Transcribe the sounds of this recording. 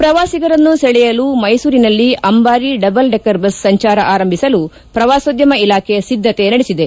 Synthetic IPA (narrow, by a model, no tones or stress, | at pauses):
pɾɐʋaːsiɡɐɾɐnːusɛɭɛjɐlumɐjsuːɾinɐlːiʔɐmbaːɾiɖɐbɐlɖekɐɾbɐsːɐɲt͡ʃaːɾɐʔaːɾɐmbʱisɐlu | pɾɐʋaːsod̪jɐmɐilaːkʰɛjɐsid̪ʱːɐt̪enɐɽesid̪e̞